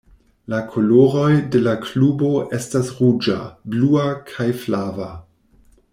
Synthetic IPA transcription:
lakʰoloɾo̞jde̞laklubo̞ʔe̞stasʁud͡ʒa̰bluakʰajflava

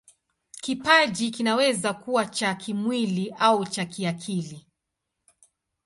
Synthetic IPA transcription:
kipaʄikinawɛzakuwat͡ʃakʰimwiliʔaut͡ʃakiakʰili

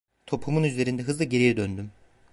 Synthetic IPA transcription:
t̪ʰo̞pʰumunyzle̞ɾind̪ɛɦɯzlˠaɟe̞ɾijɛd̪ønd̪ym

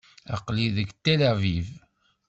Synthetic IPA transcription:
ɑ̰qliðəɡt̪elaviv

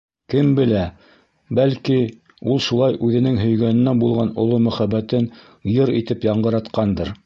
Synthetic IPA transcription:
kɘmbɘ̆læ | bælki | ulˠʃulˠɑjʔʉðɘ̆nɘŋɦɵ̆jɡænɘ̆næbulˠʁɑnŏlˠomɵ̆χæbːæt̪ɘn | jɤɾit̪ɘpjɑɴɢɤ̆ɾɑt̪qɑnd̪ɤɾ

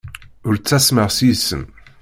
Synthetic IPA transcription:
ʊɾt͡sːæsməʁsisːə̰m

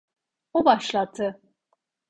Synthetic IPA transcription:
obaʃlˠat̪ʰɯ

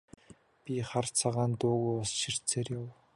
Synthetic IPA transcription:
pʲiχart͡sʰaʁaːnt̪ʊːɣujɔsʃir̥t͡sʰeːrjaw

